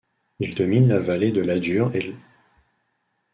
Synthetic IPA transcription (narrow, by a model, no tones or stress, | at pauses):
ild̪ɔminlavaled̪əlad̪yʁe